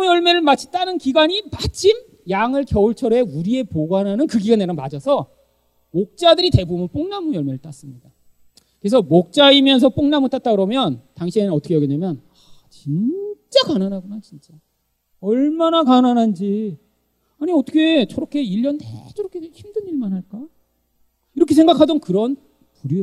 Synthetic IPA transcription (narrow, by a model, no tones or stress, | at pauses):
jʌɭme̞ɾɯɭmat͡ɕʰi̥t͈anɯnkiɡaɲimat͡ɕʰim | jaŋɯɭkjʌuɭt͡ɕʰʌɾe̞uɾie̞poɡwanɦanɯnkɯɡiɡaneɾʌmpad͡ʑʌsʰʌ | mok̚t͡ɕ͈adɯɾite̞bumɯnp͈oŋnamujʌɭme̞ɾɯɭt͈as͈ɯmɲida | kɯɾesʰʌmok̚t͡ɕ͈aimjʌns̬ʰʌp͈oŋnamotʰat̚t͈aɡɯɾʌmjʌntaŋɕʰienɯnʌt͈ʰʌkʰejʌɡindamjʌn | at͡ɕint͡ɕ͈akananɦaɡunat͡ɕint͡ɕ͈a | ʌɭmanakananɦand͡ʑi | aɲiʌt͈ʰʌ̥kʰe̞t͡ɕʌɾʌkʰe̞iʎːʌndḛt͡ɕʌɾʌkʰeçimdɯniɭmanɦaɭk͈a | iɾʌkʰe̞sʰeŋɡakʰadʌnkɯɾʌn | puɾjo